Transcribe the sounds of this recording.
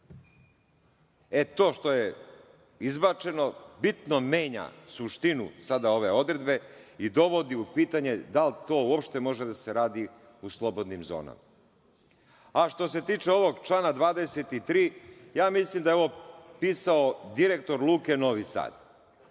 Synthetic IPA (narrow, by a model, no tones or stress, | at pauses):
e̞t̪o̞ːʃt̪o̞je | izbat͡ʃe̞no̞bit̪nomeːɲa̰suʃt̪inṵsad̪ao̞ʋe̞o̞d̪ɾe̞d̪be̞id̪o̞ʋo̞d̪iupiːt̪aɲe̞d̪alt̪o̞ːuopʃt̪e̞mo̞ʒed̪aseɾaːd̪i | uslˠo̞bo̞d̪nimzo̰ːna̰ma | aʃt̪o̞se̞t̪iːt͡ʃe̞o̞ʋo̞ɡt͡ʃlˠaːnad̪ʋaːd̪e̞se̞t̪it̪ɾiːjaːmislimd̪ajeo̞ʋo̞piːsaod̪iɾek̚t̪o̞ɾlˠuːke̞no̞ʋisa̰ːd̪̥